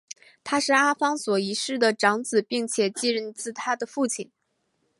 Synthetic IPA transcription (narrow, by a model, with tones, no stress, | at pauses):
t̪ʰa˥ʂɻ̩˥˩a˥fɑ˥ŋswɔ˨˩i˧˥ʂɻ̩˥˩d̪ə˩ʈ͡ʂɑ˧˥ŋt͡sɹ̩˨˩pi˥˩ŋt͡ɕʰjɛ˨˩t͡ɕi˥˧ɻə˥˧nt͡sɹ̩˥˩t̪ʰa˥d̪ə˨fu˥˩t͡ɕʰi˨˩˦n